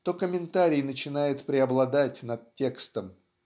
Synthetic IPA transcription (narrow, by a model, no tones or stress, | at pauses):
t̪okəmʲɪnt̪aɾʲɪjnət͡ɕɪnajɪt̪pɾʲɪɐblˠɐd̪atʲnɐt̪̚tʲːe̞kst̪əm